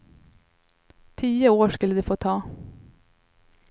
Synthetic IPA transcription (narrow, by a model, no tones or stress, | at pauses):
t̪ʰiːəoːʃkʉləd̪eːfoːt̪ʰɑː